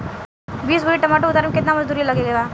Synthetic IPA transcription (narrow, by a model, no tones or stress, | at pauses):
biːsbʊɾiʈɐmaːʈoʊd̪aɾmekɪt̪namɐd͡ʒd̪uːɾilɐɡeɡɐɡaː